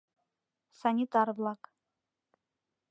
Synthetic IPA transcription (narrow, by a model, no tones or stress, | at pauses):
sanʲit̪ʼarvlˠakʼ